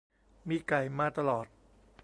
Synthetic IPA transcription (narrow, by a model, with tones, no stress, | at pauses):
miː˧ka˨˩jmaː˧t̪a˧lɔː˨˩t̪̚